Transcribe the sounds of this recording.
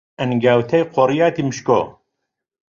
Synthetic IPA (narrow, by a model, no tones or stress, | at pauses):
ɐnɡawt̪ʰɐjqʰoɾijaːt̪imɨʃko̰ː